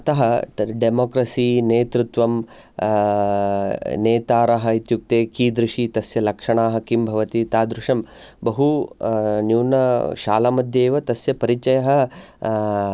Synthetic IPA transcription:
ɐt̪ɐɦɐɖemoːkɾɐsiːneːt̪ɾut̪ʋɐm | neːt̪aːɾɐɦɐit̪juk̚t̪eːkiːd̪ɾɪʂit̪ɐsjɐlɐkʂɐɳaːɦɐkimbʱɐʋɐt̪it̪aːd̪ɾuʂɐmbɐɦu | njuːnɐʃaːlamɐd̪jeːʋɐt̪ɐsjɐpɐɾit͡ʃɐjɐɦɐ̆

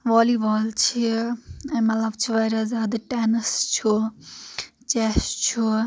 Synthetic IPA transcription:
ʋaːliʋaːlt͡ʃʰiɐmɐlɐbt͡ʃʰiʋɐɾazjaːd̪ɐʈɛːnɐst͡ʃʰu | t͡ʃɛst͡ʃʰu

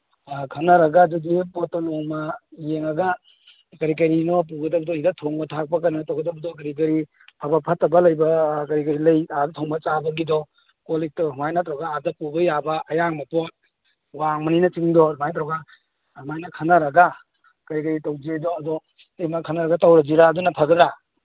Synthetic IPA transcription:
kʰɐnɐɾɐɡadudipɔtːɔnɔmajeŋɐɡa | kɐɾik̬ɐɾinɔp̬uɡɐdɐbɐdɔidatʰɔŋbɐtʰak̚pɐkanɯtawɡɐdɐbɐdɔkɐɾik̬ɐɾi | pʰabɐpʰɐtːɐbɐlɐjbɐkɐɾikɐɾilɐjadtʰɔŋbɐt͡ʃabɐɡidɔ | kolid͡ʒ̚tɔɦmajnatɾɔɡaadɐpubɐjabɐɐjaŋmɐpɔt̚ | waŋmɐninɐt͡ʃiŋdɔmajnt̪ɾɔɡa | hmajnakʰɐnaɾɐɡa | kɐɾikɐɾitawd͡ʒidɔɐdɔ | emakʰɐnaɾɐɡatawɾɐd͡ʒiɾaːdunapʰɐɡɐɾa

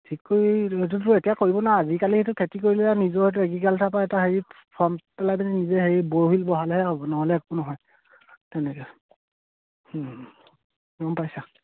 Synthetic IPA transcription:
tʰikːoɹiɦetutʊetijakoɹibɔnaazikalihetukʰetikoɹilɛanizɔhɔt̬ueɡikaltʰapaɛtaɦeɹi | pʰɔmpɛlajbɛninizɛɦeɹiboɹɦilbɔɦalɛɦɛɦɔbɔnɔɦɔlɛːk̚unɔɦɔj | tɛnɛkɛ | h | ɔmpajsa

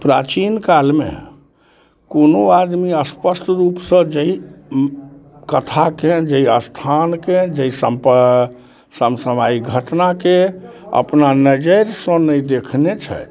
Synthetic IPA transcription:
pɾa̰t͡ʃinkalmḛ | konoad̪miəspəsʈʰɾupsə̃d͡ʒəi | kət̪ʰaked͡ʒəiəst̪ʰanked͡ʒəisəmpə | səmsəmaiɡʱəʈnakeə̰pnanəd͡ʒəjɾsə̃nəjd̪ekʰnet͡ʃʰɛ̰t̪

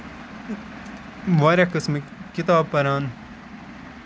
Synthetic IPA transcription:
ʋaːɾekɨsmkit̪aːb̚pɐɾaːn

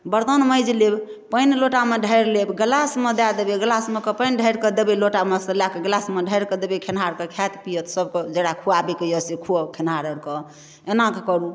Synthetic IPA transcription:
bəɾt̪ənməjd͡ʒleb | pənloʈameɖʱəjɾlebɡəlasmed̪ad̪ebeɡlasmekəpəjnɖʱəjɾkəd̪ebeloʈamesəlakeɡlasmeɖʱəjɾkəd̪ebekʰenɦaɾkekʰjat̪pijət̪səbked͡ʒeɽakʰuabekejəsekʰuəkʰenɦaɾəɾkə | enãkekəɾu

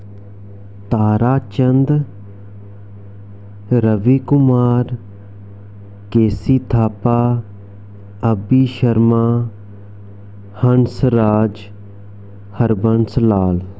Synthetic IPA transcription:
t̪aːɾaːt͡ʃənd̪ | ɾəʋiːkʊmaːɾ | keːsiːt̪ʰaːpaː | əbiːʃəɾmaː | həɳsɾaːd͡ʒ | həɾbəɳslaːl

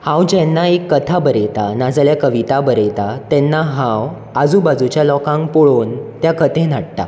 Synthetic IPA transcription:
hãwd͡ʑɛnːaekːət̪ʰabəɾet̪anad͡zljakəʋit̪abəɾet̪at̪ɛnːaɦãw | ad͡zubad͡zut͡ɕjalɔkãŋkpoɭoːnt̪jakət̪ʰẽn̤aɽt̪a̰

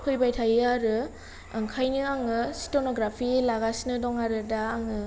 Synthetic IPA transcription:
pʰɯjbajtʰajɯaɾɯ | ɯŋkʰajnɯaŋɯsi̥tonɔɡɾapʰilaɡasnɯdɔŋaɾɯdaːŋɯ

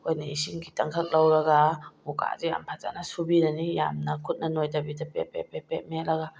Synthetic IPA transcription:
kojnɐisiŋkʰitɐŋkʰɐk̚lawɾɐɡamuka̰zeja̰mpʰaza̰nasubinɐnija̰mnɐkʰut̚nɐnojtabidɐpḛpepepet̚meɾɐɡa

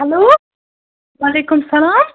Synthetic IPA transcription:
aloː | waleːkʊmɑsˤɑlaːm

